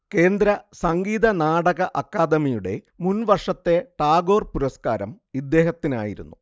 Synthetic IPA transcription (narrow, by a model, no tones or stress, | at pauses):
ke̞ːnd̪ɾɐsɐŋɡiːðɐnaːɽɐɣɐʔɐkːaːd̪ɐmijuɽe̞̰ | munʋɐrʂɐt̪ːe̞ʈaːɡo̞ːrpuɾɐskaːɾɐ̰m | id̪ːe̞ːɦɐt̪ːina̰ːjiɾṵnːu